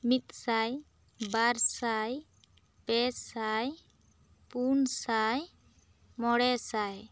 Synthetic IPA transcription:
mit̪̚saj | baɾsaj | pɛsaj | punsaj | mɔɽɛsaj

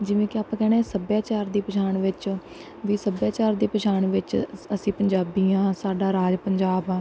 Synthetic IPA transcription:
d͡ʒɪʋẽːkɪaːpãːkɛːɽ̃eːsəbjaːt͡ʃaːɾd̪iːpəʃʰaːɳʋɪt͡ʃ | ʋiːsəbjaːt͡ʃaːɾd̪iːpəʃaːɳʋɪt͡ʃəsĩːpəɲd͡ʒaːbiːãːsaːɖaːɾaːd͡ʒpəɲd͡ʒaːbãː

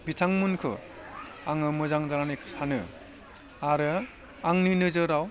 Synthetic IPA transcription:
bitʰaŋmunkʰɯ̰ | aŋɯmɯzaŋdaɾanɯkʰɯ̥sʰanɯ̰ | aɾɯ | aŋnɯnɯzɯɾaw

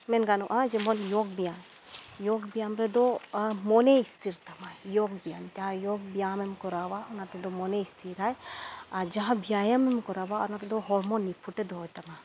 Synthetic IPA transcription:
mɛnɡanɔʔad͡ʒɛmɔnjɔɡ̚bijam | jɔɡbijamɾɛd̪ɔmɔnɛist̪ʰiɾt̪amajjɔɡbijant̪aɦajɔɡ̚bijamɛmkɔɾawaɔnat̪ɛd̪ɔmɔnɛist̪ʰiɾajad͡ʒaɦãbʱijajamɛmkɔɾawaɔnat̪ɛd̪ɔɦɔɾmɔnːipʰuʈɛd̪ɔɦɔjt̪ama

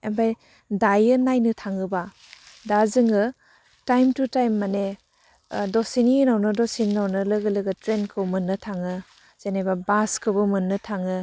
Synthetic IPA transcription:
embʰaj | dajɯnajnɯtʰaŋɯba | dazɯŋɯ | tajmtutajmːane | dɔsininawnɯdɔsinːawnɯlɯɡɯlɯɡɯtɾenkʰɯwmɯnːɯtʰaŋɯ | z̥enajbabaskʰɯbɯmɯnːɯtʰaŋɯ

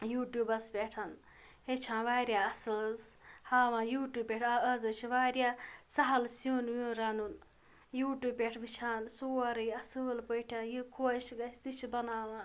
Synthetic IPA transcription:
juːʈjuːbɐsbʲeːʈʰɐn | het͡ʃʰãːnʋaːɾʲjaːɐsɨlzhaːʋãːjuːʈjuːpʲːeːʈʰaəzɐt͡ʃʰiʋaːɾʲjaːsɐɦɐlsuːnʋũːɾaːnun | juːʈjuːpʲeʈʰʋit͡ʃʰãːnsoːɾɐjɐsɨlpəjʈʰãːnjikʰoːʃɡɐst̪it͡ʃʰibɐnaːʋãː

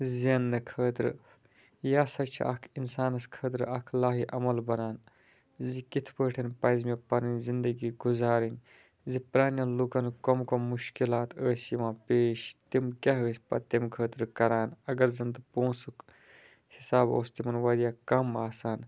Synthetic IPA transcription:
ziɐnːɨkʰəːt̪ɾɨ | jaːsɐt͡ʃʰḭʔɐ̰kʰinsaːnɐskʰəːt̪ɾɨɐkʰlaːɦiʔɐmɐlbɐnaːn | zikit̪ʰpəːʈʰɐnpɐjzmepɐɾɐnʲzind̪ɐɡiːɡuzaːɾinʲ | zipɾaːnɐnlukɐnkomkomuʃkilaːt̪əːsiʋãːpeːʃt̪imkʲɐɦəːsʲpɐ̰t̪imkʰəːt̪ɾɨkɐɾaːnɐɡɐɾzɐnt̪ɨpõːsuk | hisaːbo̰ːst̪imɐnʋɐd̪ijaːkɐmaːsaːn

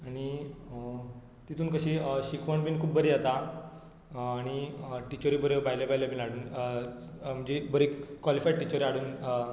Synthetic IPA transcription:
aɽ̃i | t̪it̪ʰuːnkəɕiːɕikʰʋəɳbiːnkʰuːpbəɾijat̪a | aɽ̃iʈit͡ɕəɾibəɾebajlabaɦjlabʱiːnaɽuːn | m̤əd͡ʑebəɾekʋalifaiʈit͡ɕəɾiaɽuːn

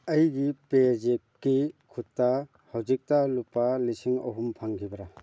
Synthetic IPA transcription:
ɐjɡipezekːikʰutːa | hawzik̚talupːalisiŋɐ̰ɦumpʰaŋkʰibɐɾa

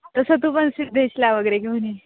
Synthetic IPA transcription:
t̪əsət̪̬ũpənsid̪ʱeɕlaʋəɡəɾekim̤əni

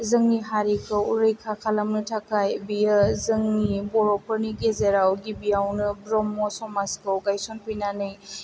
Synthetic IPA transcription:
zɯŋniɦaɾikʰɯwɾɯjkʰakʰalamnɯtʰakʰajbijəzɯŋnibɔɾɔpʰəɾniɡezeɾawɡibijawnɯbɾɔmːɔsɔmaskʰɯwɡajsɔnpʰɯjnanɯj

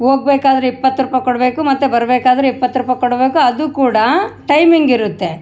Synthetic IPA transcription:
ɦo̞ːɡ̚beːkaːd̪ɐɾeipːɐt̪ːɾuːpɐjkoɽbe̞ːkumɐt̪ːubɐɾɐbeːkaːd̪ɐɾeipːɐt̪ːɾuːpɐjkoɽbe̞ːkuɐd̪ukuːɽɐʈɐjmiŋɡiɾut̪ːe̞

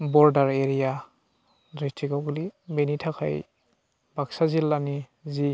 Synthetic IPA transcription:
bɔɾdaɾeɾija | zɔjtʰiɡawɡlibenitʰakʰa̰j | baksazilːani | zi

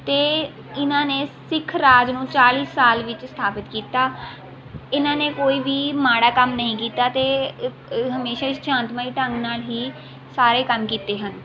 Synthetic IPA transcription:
t̪eː | ɪnãːneːsɪkʰɾaːd͡ʒnũːt͡ʃaːliːsːaːlʋɪt͡ʃst̪ʰaːpɪt̪kiːt̪aː | ɪnãːneːkoːiːʋiːmaːɽaːkəmnəɦĩːkiːt̪aːt̪eː | ɦəmeːʃaːɪsd͡ʒãːnt̪maːiːʈəŋɡnaːlɦiː | saːɾeːkəmkiːt̪eːɦən

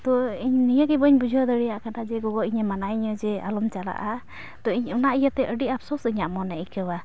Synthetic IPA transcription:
t̪ɔiɲnijakɛbɔɲbud͡ʒʱɔd̪ɔɾijaʔkanad͡ʒɛɡɔɡɔʔiɲamanaʔiɲɔd͡ʒɛa̰lɔmt͡ʃala̰ʔa | t̪ɔiɲɔnaʔijat̪ɛʔəɖiʔapsɔsɯɲaʔmɔnɛikəwa

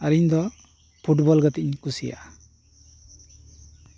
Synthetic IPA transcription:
aɾiɲd̪ɔ | pʰuʈbɔlɡɔt̪iɲkusija̰

